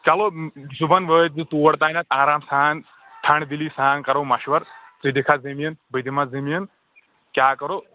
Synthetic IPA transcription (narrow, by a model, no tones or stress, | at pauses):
kɐlozubɐnʋəːt̪̚zɨt̪uːɐɽt̪aːnɐt̪aːɾaːmsaːn | ʈ̪ʰɐɳd̪iliːsaːnkɐɾoːmɐʃʋɐɾt͡sid̪ikʰazɐmijənbɐd̪imazɐmiən | kjaːkɐɾoː